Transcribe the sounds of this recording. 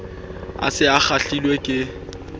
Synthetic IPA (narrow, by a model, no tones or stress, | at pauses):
a̰sɪak͡xaɬilwekʼɪ